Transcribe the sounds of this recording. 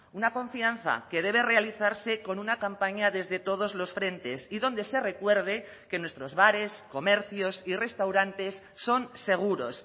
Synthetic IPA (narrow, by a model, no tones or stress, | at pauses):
unakõ̞ɱfianθa̰ke̞ð̞e̞β̞e̞re̞aliθaɾse̞ko̞nunakampaɲaðe̞zðe̞t̪o̞ð̞o̞zlo̞sfɾe̞nt̪e̞siðo̞nd̪e̞se̞re̞kwe̞ɾð̞e | ke̞nwe̞st̪ɾo̞zβaɾe̞sko̞meɾθjo̞sire̞st̪awɾant̪e̞sːo̞nse̞ɣ̞uɾo̞̰s